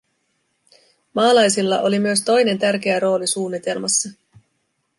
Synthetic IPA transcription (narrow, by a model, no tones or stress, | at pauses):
mɑːlɑjsilːɑ̰ʔo̞limyøst̪o̞jne̞nt̪ærk̟e̞æɾo̞ːlisuːnːit̪e̞lmɑsːɑ